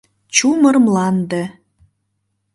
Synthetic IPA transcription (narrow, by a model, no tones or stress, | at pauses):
t͡ɕumərmlɑnd̪e